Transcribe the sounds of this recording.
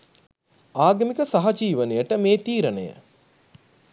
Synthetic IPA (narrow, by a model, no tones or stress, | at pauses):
aːɡɐmikəsaɦɐd͡ʒiːʋənejəʈəmeːt̪iːɾənejə̰